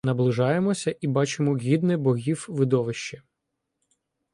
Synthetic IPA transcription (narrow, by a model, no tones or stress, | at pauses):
nɐblˠɪʒɑjemɔsʲɐʔibɑt͡ʃɪmɔɦʲid̪nɛbɔɦʲiwʋɪd̪ɔʋɪʃt͡ʃɐ